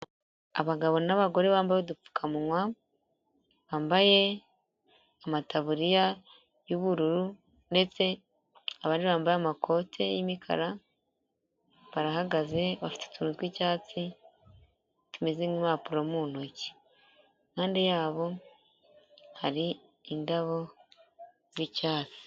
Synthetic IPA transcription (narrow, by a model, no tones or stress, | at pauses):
a̰βaɡaβo̞naβaɡo̞ɾe̞βaːmbajodufu̥kʰamunwa | βaːmbaje̞ | amataβuɾija | juβuɾuɾu | nde̞t͡se̞ | aβaːndiβaːmbajeamakʰo̞tʰe̞jimikʰa̰ɾa | βaɾaɦaɡaze̞βafi̥te̥tuːnutwiːcaːt͡si | tumeziŋimaːpuɾomunoci̥ | kaːndijaːβo̞ | haɾiː | ndaβo̞ | ziːcaːt͡si̥